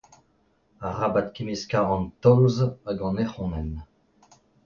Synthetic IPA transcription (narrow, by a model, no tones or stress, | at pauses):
aʁabat̪̚kʲimiskaʁɑ̃nt̪ɔːzaɡɑ̃neχɔ̃nɛn